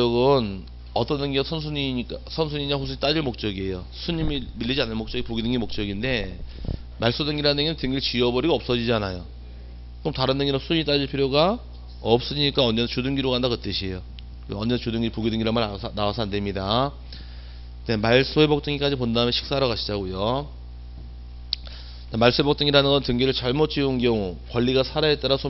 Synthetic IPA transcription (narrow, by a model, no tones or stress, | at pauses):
oɡɯn | ʌt͈ʌnːɯŋɡisʰʌns̬ʰuɲiik͈asʰʌnsʰuɲiɲaɸusʰuɲit͈ad͡ʑiɭmok̚t͡ɕ͈ʌɡie̞jo | sʰuɲimimiʎːid͡ʑianɯɭmok̚t͡ɕ͈ʌɡipoɡidɯŋɡimok̚t͡ɕ͈ʌɡinde̞ | maɭs͈udɯŋɡiɾanɯŋinɯnteŋɡet͡ɕiʌbʌɾiɡoʌp̚s͈ʌd͡ʑid͡ʑianajo | komtaɾɯnːɯŋɡinasʰuɲit͈ad͡ʑiɭpʰiɾjoɡa | ʌp̚s͈ɯɲik͈aʌnd͡ʑent͡ɕudɯŋɡiɾoɡandakɯt͈ɯɕʰiejo | ɯʌnd͡ʑet͡ɕudɯŋɡiɾɯɭpoɡidɯŋɡiɾaasnaasʰʌande̞mɲida | nemaɭs͈oebʌk̚t͈ɯŋik͈ad͡ʑip̬ondaɯmjeɕʰi̥k̚s͈aɾʌkaɕʰid͡ʑaɡojo | amaɭs͈oebʌk̚t͈ɯŋiɾanɯnɡʌntɯŋɡiɾɯɭt͡ɕʌɭmot͡ɕ͈iunk̬jʌŋukwʌʎːiɡasʰaɾaet͈aɾasʰo